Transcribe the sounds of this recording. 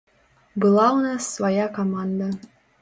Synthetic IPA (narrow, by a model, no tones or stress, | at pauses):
bɤ̆lˠɑunɑsvɐjɑkɐmand̪ə